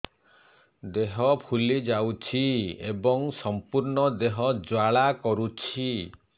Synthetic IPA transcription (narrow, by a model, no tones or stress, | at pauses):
d̪eɦɔpʰulid͡ʒawt͡ʃʰiḛbɔŋsɔmpuɾɳɔd̪eɦɔd͡ʒwaɭakɔɾut͡ʃʰi